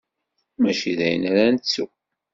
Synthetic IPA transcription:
mæʃiðæjənæɾænt͡sːu

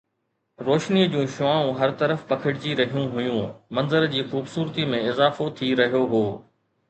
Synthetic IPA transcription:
ɾoːʃnid͡ʑũːʃʊaːũɦɐɾt̪ɐɾəfpɐkʰɪɽɪd͡ʑiɾɐɦijũɦʊjũmɐ̃nzəɾd͡ʑiːxuːbsuːɾt̪imẽɪzaːfot̪ʰiɾɐɦijoɦoː

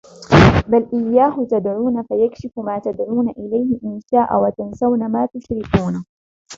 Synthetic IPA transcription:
balʔɪjːaːhʊt̪ad̪ʕuːnafajakʃɪfʊmaːt̪ad̪ʕuːnaʔɪlajhɪʔɪnsaːʔa̰wat̪ansawnamaːt̪ʊʃɾɪk̪uːna

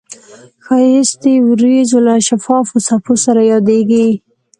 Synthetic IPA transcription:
xaɪst̪ewɾizolaʃafɑfosaposaɾajɑd̪eɡi

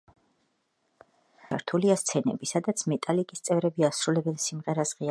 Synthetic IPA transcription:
aɾt̪ʰuliast̪sʰɛnɛbisad̪at̪sʰmɛt̪ʼalikʼist̪sʼɛvɾɛbiasɾulɛbɛnsimʁɛɾasʁia

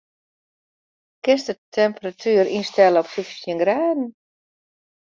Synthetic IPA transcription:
kɪstətʰɛmpəratʰyːɾinstɛləɔpsyfsjənɡrɛːdn̩

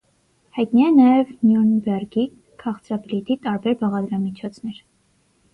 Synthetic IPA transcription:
hɑjt̪niɛnɑjɛvnjunbɛrɡi | kʰɑχt͡sɾɑblit̪it̪ɑɾbɛɾbɑʁɑd̪ɾɑmit͡ʃʰɔt͡sʰnɛɾ

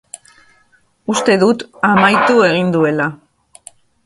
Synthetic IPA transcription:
ust̪e̞ðut̪amajt̪ue̞ɣ̞ind̪ue̞la

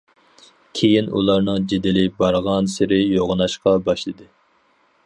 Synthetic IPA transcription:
kʲʰejinṵlˠɑɾnɨŋd͡ʒed̪ɪlɪbɑɾʁɑnsɪɾɪjoʁnɑʃqɑbɑʃlˠɨd̪ɨ

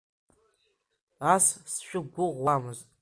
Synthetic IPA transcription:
assʃᶣʊɡʷʊʁwamɨz

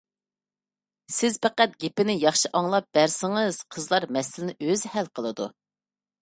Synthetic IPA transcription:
sɪz̥pʰɛqæt̪̚ɡʲepɪnɪjɑχʃiʔɑŋlˠɑp̚b̥æɾsɪŋəz̥qʰəzlˠɑɾmɛsɪlɪnɪʔøzhælqʰəlˠɨd̪ṵ

